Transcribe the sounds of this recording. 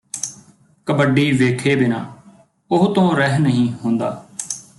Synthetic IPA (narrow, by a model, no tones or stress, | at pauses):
kəbəɖiːʋeːkʰeːbɪnã̰ː | ʊɦt̪õːɾɛɦnəɦĩːɦʊ̃nd̪a̰ː